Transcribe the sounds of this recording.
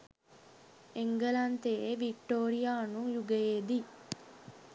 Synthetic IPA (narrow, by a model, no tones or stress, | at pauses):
eŋɡɐlɐnt̪eeʋik̚ʈoːɾijaːnuŋjuɡejeːd̪i